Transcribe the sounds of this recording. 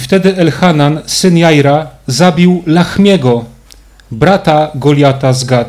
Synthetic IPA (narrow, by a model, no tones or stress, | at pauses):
ft̪ɛd̪ɘɛlxanansɘnjajɾazabʲiwlaxmʲjɛɡɔ | bɾat̪aɡɔlʲjat̪azɡa